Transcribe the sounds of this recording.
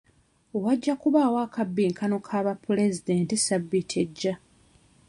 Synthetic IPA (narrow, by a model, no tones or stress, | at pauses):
owaɟːakuβaːwaːkabːiːŋkʰano̞kʰaβapːule̞zide̞ntisabːitʰe̞ɟːa